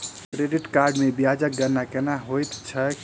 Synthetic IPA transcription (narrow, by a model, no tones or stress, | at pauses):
kɾeɖiʈkaɾɖmebiad͡ʒək̚ɡəɾnakenaɦojt̪t͡ʃʰə